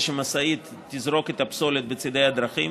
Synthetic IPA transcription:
ʃemasait̪ːizɾo̞ket̪apsolet̪̚bet͡sid̪ejad̪ɾaχim

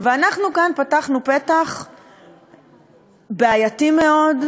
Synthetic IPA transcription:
veanaχnukanpataχnupet̪aχ | beajatime̞o̞d

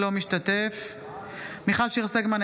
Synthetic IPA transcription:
lomiʃtat̪ef | miχalʃiʁsaɡman

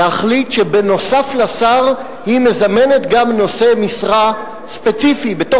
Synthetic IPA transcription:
aχlit̪ʃebeno̞saflasaʁ | hime̞zame̞net̪ɡamno̞se̞misʁa | spet͡sifibeto

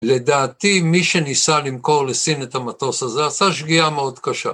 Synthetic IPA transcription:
le̞d̪aːt̪imiʃe̞nisalimko̞ʁlesinet̪amat̪o̞sazeasaʃɡiameo̞d̪kaʃa̰

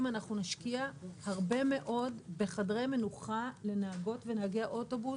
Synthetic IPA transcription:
manaχnunaʃkiahaʁbe̞me̞ʔo̞dbe̞χadʁejme̞nuχale̞naaɡo̞tve̞naaɡeaʔo̞to̞bu

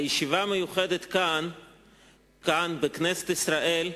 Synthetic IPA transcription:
jeʃivamejuχed̪et̪kan | kanbeknese̥t̪isɾaʔel

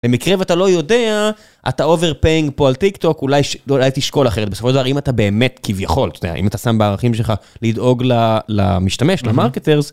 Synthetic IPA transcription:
le̞mikʁeveat̪alo̞jo̞dea | ʔa̰t̪aove̞ʁpeiŋɡpoalt̪ikt̪o̞kulajʃulajt̪iʃko̞laχeet̚besofoʃldavaimat̪abe̞ːme̞t̪kivjaχo̞lt̪o̥d̪ea̰ḭmat̪asambeaʁaχimʃelχalid̪o̞ɡlala̰miʃtame̞ʃlamaʁket̪eʁz

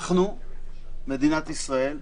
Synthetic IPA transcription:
χnu | med̪inat̪isʁae̞l

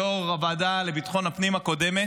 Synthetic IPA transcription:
oʁʁabad̪ale̞bit̪χo̞napnimako̞d̪eme

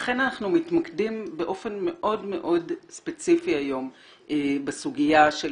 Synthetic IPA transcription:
aχe̞nanaχnumitmakdimbe̞ʔo̞fe̞nme̞ʔo̞dme̞̰ʔo̞dspe̞t͡sifiajo̞m | ebesuɡijaʃe

